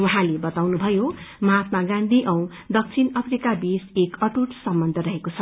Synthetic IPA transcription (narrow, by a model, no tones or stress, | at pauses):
wuɦãlebʌt̪awnubʱʌjomat̪maɡãnd̪ʱiʔʌw̃ | d̪ʌk̚t͡sʰinʌpʰɾikabisekʌʈuʈsʌmːʌnd̪ʱʌɾʌɦekot͡sʰʌ